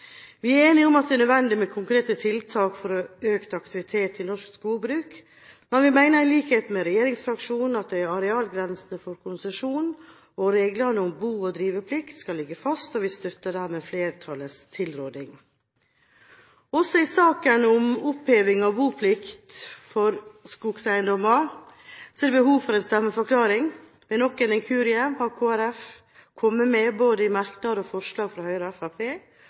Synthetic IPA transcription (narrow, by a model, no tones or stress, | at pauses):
ʋɪæɾeːnɪʊmɑt̪̚d̪ɛnœd̪ʋɛnd̪ɪmɛkʰʊŋkɾeːt̪ət̪ʰɪlt̪ʰɑːkfɔɾɔøːkt̪ɑkt̪ɪʋɪt̪ʰeːt̪ɪnɔʂkskuːbɾʉːk | mɛnʋɪmæɪnəɾɪliːkheːt̪mɛɾɛjeːɾɪŋsfɾɑkʂuːnn̩ɑt̪̚d̪ɛɾɑɾɛɑːlɡɾɛnsnəfɔɾkʰʊnsəʂuːn | ɔɾeːɡlənəʊmbuːɔd̪ɾiːʋəpʰlɪkt̪skɑlːɪɡəfɑst̪ɔʋɪst̪œt̪ːəd̪æːɾmeːfleːɾt̪ʰɑləst̪ʰɪlɾoːd̪ɪŋ | ɔsːɔɪsɑːkənʊmʊpheːʋɪŋɑbuːpʰlɪkt̪fɔɾskuɡsæɪnd̪ɔmɑɾsɔɛd̪ɛbəhuːʋfɔɾɛːnst̪ɛmːəfɔɾkʰlɑːɾɪŋ | ʋɛnɔkːɛnɪŋkʰʉːɾɪəmhɑɾkʰoːæɾɛf | kʰɔmːəmɛboːd̪əɪmɑɾknɑd̪ɔfɔʂlɑːɡfɾɑhœʏɾɔɛfæpʰeː